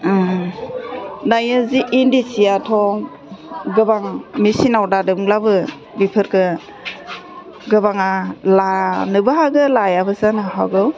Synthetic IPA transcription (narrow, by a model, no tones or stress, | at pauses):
najɯziʔindisijatʰɔ | ɡɯbaŋmisinawdadɯbɯŋlabɯ | bipʰɯɾkɯ | ɡɯbaŋalanɯbaɦaɡɯlajabɯzanɯɦaɡɯw